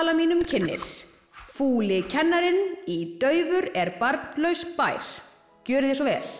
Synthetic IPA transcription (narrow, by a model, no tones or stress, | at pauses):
lamiːnʏmcʰɪnːɪ̰ɾ̥ | fuːlɪcʰɛnːaɾɪnit̪œːɥvʏɾɛɾpaɾt̪nlœɥspa̰ːjɾ̥ | cœːɾɪðɛsɔvɛːl̥